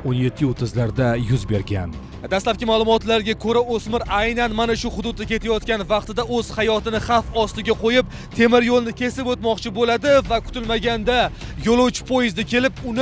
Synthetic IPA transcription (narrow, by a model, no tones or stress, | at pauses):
onje̞t̪ʰːɪot̪ʰɪzlaɾd̪ajʊzbe̞ɾɡʲan | d̪aslap̚ʲɪmalˠʊmɒt̪laɾɡʲakʰoɾaosmɪɾajnanmanaʃʊχʊd̪ʊd̪̚ːakʲe̞t̪ʰajɒt̪kʲanvɑqt̪ɪd̪aɵz̥hajɒt̪ɪnɪχɑfɒst̪ɪɡʲaqʰojɪp̚ | t̪ʰe̞mɪɾjolˠnɪkʲʰe̞sɪpot̪mɒqt͡ʃʰɪbolad̪ɪvakʰʊ̥t̪ɪlmaɡʲand̪ajolˠowt͡ʃʰɪ̥pʰojɪzd̪akʲʰe̞lɪpʊnɪ